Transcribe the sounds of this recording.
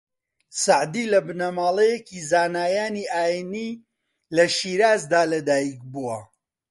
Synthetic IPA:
saʕd̪iːlɐbɨnɐmaːlˠejekizaːnaːjaːniʔaːjiniː | lɐʃiːɾaːzd̪aːlɐd̪aːjik̚buwɐ

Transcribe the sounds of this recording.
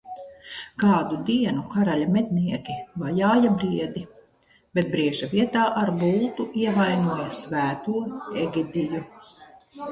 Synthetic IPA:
kaːd̪ud̪iɛnukaɾalʲamed̪̚niɛkʲivajaːjabɾiɛd̪i | b̥ɛt̪̚bɾiɛʒaviɛt̪aːʔaɾbuːt̪uiɛvajnuɔjasvæːt̪uːɛɡid̪iju

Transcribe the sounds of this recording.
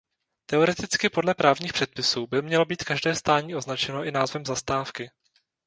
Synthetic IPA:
t̪ɛo̞ɾɛt̪ɪt͡skɪpo̞dlɛpɾaːvɲiːxpr̥ɛt̪̚pɪsuːbɪmɲɛlo̞biːt̪kaʒdɛːst̪aːɲiːʔo̞znat͡ʃɛno̞ʔɪnaːzvɛmzast̪aːfkɪ

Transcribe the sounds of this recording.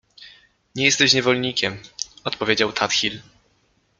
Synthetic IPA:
ɲɛjɛst̪ɛɕɲɛvɔlɲikʲɛmɔt̪pɔvʲjed͡ʑawt̪ʰat̪xʲil

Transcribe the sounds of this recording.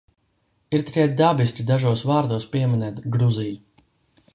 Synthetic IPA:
iɾt̪i̥kʲɛt̪̚d̪abisʲtʲid̪aʒuɔsvaːɾd̪uɔspiɛmʲinɛːt̪ɡɾuziju

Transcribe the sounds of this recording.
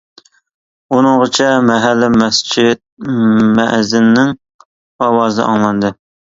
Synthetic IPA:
unɨŋʁət͡ʃʰɛmɛɦælːɪmɛst͡ʃʰit̪̚mɛ̰ʔzɪnnɪŋ | ɑwɑːzɨ̰ʔɑ̰ŋlˠɑnd̪ɨ

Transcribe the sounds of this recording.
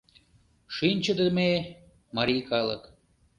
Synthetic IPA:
ʃinʲt͡ɕəd̪ə̆me | mɑɾikɑlə̰k

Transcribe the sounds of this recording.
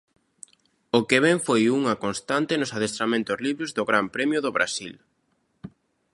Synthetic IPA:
ʊkeβ̞ɛɱfojuŋɐkonst̪ant̪ɪnʊsað̞est̪ɾamẽnt̪ʊzliβɾʊzðʊɣɾampɾɛmjʊðoβɾʔa̰sil

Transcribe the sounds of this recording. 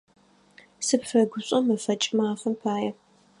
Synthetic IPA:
sɨpfɐɡʷʊɕʼɐmɐfɐt͡ʃʼmaːfɐmpʰaːjɛ

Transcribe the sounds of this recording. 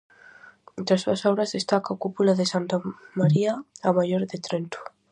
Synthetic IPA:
nt̪ɾasuasoβɾazðest̪akakupulaðesant̪amaɾiaamaʝoɾðet̪ɾent̪u̥

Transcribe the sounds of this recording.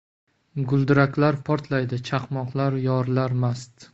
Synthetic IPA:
ɡʊlˠd̪ɪɾakʲlaɾpʰɒɾt̪ʰlajd̪ɪt͡ʃʰaqmɒqlˠaɾjɒɾlaɾmast̪

